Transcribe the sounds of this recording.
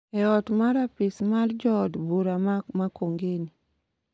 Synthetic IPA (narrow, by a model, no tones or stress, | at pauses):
ɛɔtmaɾapɪsmald͡ʒɔdbuɾammakoŋɡeni